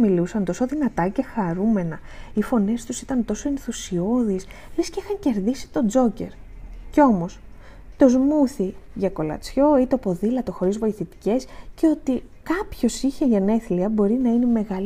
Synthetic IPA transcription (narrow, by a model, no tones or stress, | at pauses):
milusɐnt̪o̞soðinɐt̪ɐce̞xɐɾume̞nɐifo̞ne̞st̪usi̥t̪ɐnt̪o̞soe̞nθusio̞ðis | lesceixɐɲce̞ɾðisi̥t̪o̞d͡zo̞ce̞̰ɾceo̞mo̞s | t̪o̞zmuθiʝɐko̞lɐ̰t͡sço̞it̪o̞po̞ðilɐt̪o̞xo̞ɾizvo̞iθit̪i̥ce̞sceo̞t̪ikɐpço̞siçe̞ʝɐne̞θliɐbo̞ɾinɐine̞me̞ɣɐl